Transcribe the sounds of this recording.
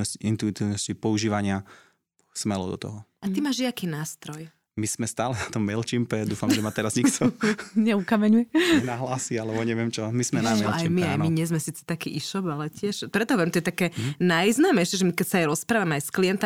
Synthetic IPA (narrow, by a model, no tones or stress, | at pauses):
ɔsciʔint̪uit̪iːʋnɔscipɔuʒiːʋaɲɪa | smɛlɔ̰d̪ɔ̰t̪ɔ̰ɦɔat̪imaːʒjakiːnaːst̪ɾɔj | miz̥mɛst̪aːlɛnat̪ɔmːɛlt͡ʃimpɛd̪uːfamʒɛmat̪ɛɾazɲikt̪ʰɔɲɛukamɛɲujɛɛnaɦlaːsialɛbɔɲɛʋɪɛmt͡ʃɔmizmɛnamɛlʔajimiajmiɲɛzmɛsiːt͡sɛ̥t̪akḭʔiʃɔbalɛcɪɛʃpɾɛt̪ɔɦɔʋjɛmt̪ɔjɛt̪akɛːnajznaːmɛjʃɛʒɛmikɛcsaajɾɔspɾaːʋamɛajsklijɛnt̪